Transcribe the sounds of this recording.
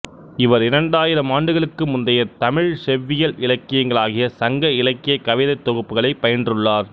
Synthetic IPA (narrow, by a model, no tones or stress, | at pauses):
ɪʋɐɾɪɾɐɳɖaːjɪɾɐmaːɳɖɯɣɐɭɯkːɯmʊnd̪ɐjɐɾt̪ɐmɪɻsɛʋːɪjɐlɪɭɐkːɪjɐŋɡɐɭaːɣɪjɐsɐŋɡɐɪɭɐkːɪjɐkːɐʋɪðɐt̪ːɔɣɯpːɯɣɐɭɐɪpɐjɐndrɯɭːaːɾ